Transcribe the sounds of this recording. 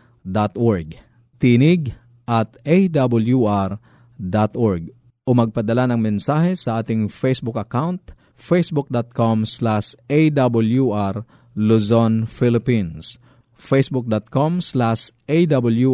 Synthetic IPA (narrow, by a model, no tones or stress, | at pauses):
d̪at̪ʔoɹɡ̚ | t̪iːnɪɡ | ʔɐt̪ejd̪abʊljuʔaɾ | d̪at̪oɹɡ̚ | ʔomɐɡ̚pɐd̪ɐlanɐŋmɛnsaːhɛsɐʔaːt̪ɪŋfejsbʊkɐkawnt̪ | fejsbʊk̚d̪at̪̚komslaʃʔejd̪abʊljuʔaɾ | lusonfɪlɪpins | fejsbʊk̚d̪at̪̚komslaʃʔejd̪abʊlju